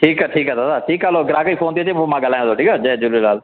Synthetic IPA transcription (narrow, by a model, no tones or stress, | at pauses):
ʈʰiːkɛʈʰiːkat̪aːt̪aːʈʰiːkaːloːɡɪɾãːkəiːfʰoːnt̪ieːt͡ʃeːomãːɡəlaːj̃t̪oːʈʰiːkaːd͡ʒɛːd͡ʒʊɾlaːl